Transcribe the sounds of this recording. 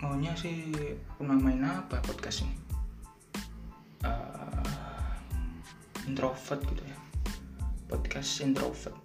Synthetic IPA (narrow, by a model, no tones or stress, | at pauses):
moɲasɪhrumamainapapɔd̪̚kast̪n | ə | int̪ɾʔofət̪̚ɡ̥it̪uja | pɔd̪kasint̪ɾo̰fət̪̚